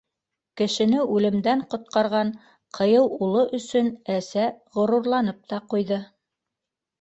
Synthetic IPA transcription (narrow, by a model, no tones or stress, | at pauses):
kɘ̆ʃɘ̆nɘʉlɘ̆md̪æɴqŏt̪̚qɑɾʁɑɴ | qʰɤ̆jɤwulˠɤʔɵ̆sɵnæsæʁŏɾuɾlˠɑnɤp̚t̪ɑqujðɤ